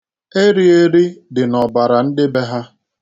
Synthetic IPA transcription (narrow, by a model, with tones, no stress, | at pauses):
e˦ɾi˦e˦ɾi˦dɪ˨nɔ˨ba˨ɾa˨n̩˦dɪ˦be˦ɦa˦